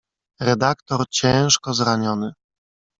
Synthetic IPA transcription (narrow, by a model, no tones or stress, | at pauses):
ɾɛd̪akt̪ɔɾt͡ɕɛ̃w̃ʂkɔzɾaɲɔnɘ